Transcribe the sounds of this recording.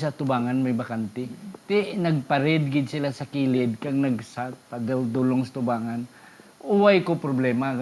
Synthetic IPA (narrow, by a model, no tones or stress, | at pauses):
sɐt̪ʊbaːŋanmɐjbɐkant̪ɛt̪ɪnɐɡ̚pɐɾɛd̪̚ɡɪd̪sɪlasɐkiːlɪd̪̚kaŋnɐɡsat̪ad̪ald̪uloŋsɐ̥t̪ʊbaːŋan | ʔʊwajkopɾoblɛːma